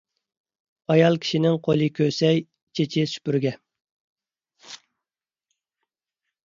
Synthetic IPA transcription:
ɑjɑlˠkʲʰi̥ʃinɪŋqʰolˠɨkʲʰøsɛj | t͡ʃʰet͡ʃʰɪsy̥pyɾɡʲɛ

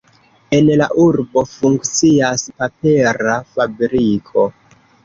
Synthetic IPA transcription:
e̞nla̰ʔuɾbo̞fuŋkt͡siaspapeɾafabɾikʰo̞

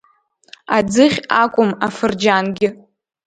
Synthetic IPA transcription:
ad͡zɨχʲakʷʼʊmafɨrd͡ʒanɡʲɪ

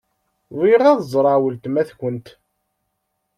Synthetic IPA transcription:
ðˤiɾˤɑðəzˤɾˤɑwəlt̪mæθkənt̪

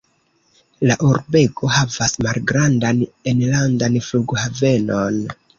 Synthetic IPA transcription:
laʔuɾbe̞ɡo̞ɦavasmalɡɾandanenlandanfluɡhave̞no̞n

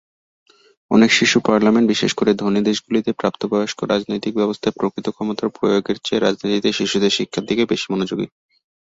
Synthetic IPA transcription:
ɔnekʃiʃupaɾlamenʈbiʃeʃkoɾed̪ʱonid̪eʃɡulit̪epɾapt̪obɔoʃkoɾad͡ʑnojt̪ik̚bɛbost̪ʰapɾokɾit̪okʰɔmot̪aɾpɾojoɡeɾt͡ɕeɾad͡ʑnit̪it̪eʃiʃud̪eɾʃikʰːad̪ʱikebeʃi̥mɔnod͡ʑoɡḭ

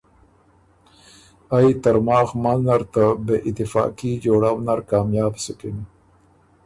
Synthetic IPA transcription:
ajt̪aɾmɑːxmanaɾt̪abeʔit̪ifɑ̰ːkid͡ʒoːɽawnaɾkɑːmjɑːbsukin

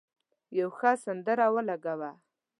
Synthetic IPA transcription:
jawxasand̪əɾawəlaɡawa

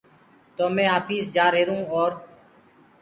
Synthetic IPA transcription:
t̪oːmẽːaːpʰiːsd͡ʒaːɾɦeːɾũːoːɾ

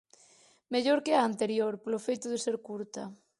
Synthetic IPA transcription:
meʎoɾkɪaːnt̪eɾjoɾpolofejt̪ʊðeseɾkuɾt̪ɐ

